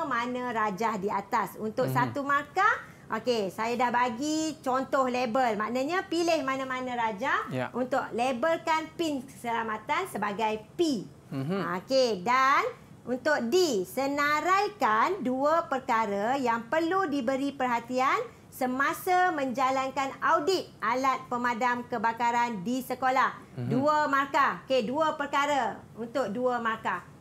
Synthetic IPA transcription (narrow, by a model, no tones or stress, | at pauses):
manə̃ɾad͡ʒahdiat̪asunt̪ʊk̚sat̪umarka | ʔokesajadahbaɡit͡ʃɔnt̪ɔhlebəlmãʔnəɲapilɪhmanə̃mãnãɾad͡ʒahunt̪ʊʔ̚lebəlkanpɪnkə̥səlamat̪ansəbaɡajpi | okedan | unt̪ʊk̚disənaɾajkanduəpərkaɾəjaŋpərludibəɾipərɦat̪ian | səmãsəmə̃ɲd͡ʒalankanawdɪt̪̚ʔalat̪̚pəmadamkəbakaɾandisəkolahduəmarkaokeduəpərkaɾəunt̪ʊk̚duəmarka